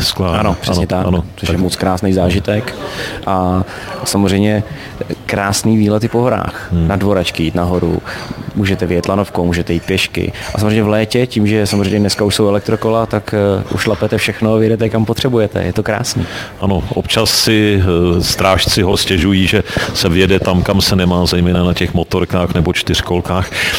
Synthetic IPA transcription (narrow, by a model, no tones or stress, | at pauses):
skaanopr̥ɛsɲɛt̪ant͡soʃjɛmot͡skɾaːsnɛjzaːʒɪt̪ɛkʔa | samozrɛjmɲɛ | kɾaːsniːviːlɛt̪ɪpoɦoɾa̰ːxnadvo̞ɾat͡ʃkɪjiːt̪naɦo̞ɾṵmuːʒɛt̪ɛvɪjɛt̪lano̞fkowmuːʒɛt̪ɛjiːt̪̚pjɛʃkɪ̰ʔasamreɛjɲɛvlɛːcɛciːmʒɛsamozrejɲɛdnɛskauʃsowɛlɛk̚t̪ɾokolat̪akʔṵʃlapɛt̪ɛfʃɛxnoavjɛdɛt̪ɛkampot̪r̥ɛbujɛt̪ɛ̰jɛt̪okɾa̰ːsniːʔano̞ʔopt͡ʃasːɪst̪ɾaːʃt͡sɪɦoscɛʒujiːʒɛsɛvjɛdɛt̪amkamsɛnɛmaːzɛjmɛːnanacɛxmot̪oɾkaːxnɛbot͡ʃt̪ɪr̝̥kolkaːx